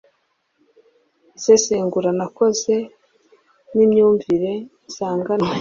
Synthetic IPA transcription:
z̥eseːŋɡuɾanako̞ze̞ | nimɲuːɱviɾe̞ | z̥aːŋɡanwe

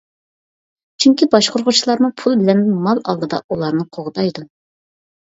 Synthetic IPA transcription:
t͡ʃʰyŋkʲibɑʃqʰoɾʁʊt͡ʃʰilˠɑɾmupʰulˠbɪlɛnd̪ɪnmɑlˠɑ̰lˠd̪ɨd̪ɑ̰ulˠɑɾnɨqʰoʁd̪ɑjd̪u

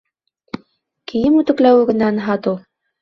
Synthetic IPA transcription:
kĭjɘmʉt̪ɘ̆klæwɘɡɘ̆nːænɦɑt̪u

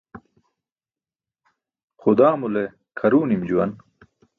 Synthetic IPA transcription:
xʊd̪aːmule | kʰɐɾuːnimd͡ʑuwɐn

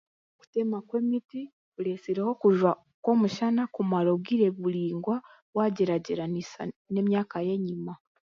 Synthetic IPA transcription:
ku̥temakwe̞ːmiti | kuɾesiɾeho̞kuʒwa | kwo̞ːmuʃanakumaɾo̞βɡiːɾe̞βuɾiːŋɡwa | waːɟeɾaɟeɾanisa̰ne̞mɲaːkaje̞ɲima

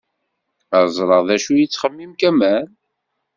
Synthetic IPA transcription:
əɾzˤɾˤəʁðæʃujit͡sːχəmːimkæmæn

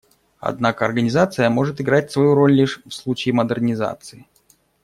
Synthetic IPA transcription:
ɐ̰d̪nakəɐrɡənʲɪzat̪sɨjəmo̞ʐɨt̪ɪɡɾatʲsvɐjuɾo̞lʲlʲiʂfslˠut͡ɕɪːməd̪ərnʲɪza̰t̪sɨɪ

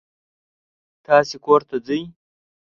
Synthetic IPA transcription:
t̪ɑːsekoɾt̪ad͡zəj

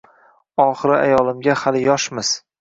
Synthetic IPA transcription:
ɒχɨɾɪa̰jɒlˠɪmɡʲahalɪjɒʃmɪz̥

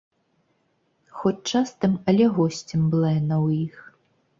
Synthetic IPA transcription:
xɔt͡sʲt͡ʂast̪ɨmɐlʲɛɣɔsʲt͡sʲɛmbɨlˠɛnɐwjix

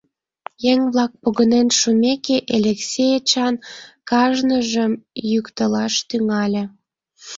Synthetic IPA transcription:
jeŋβlɑk̚poɣənenʃumʲekeʔelʲeksʲejet͡ɕɑnkɑʒnəʒəmjykt̪əlɑʃt̪yŋɑlʲĕ

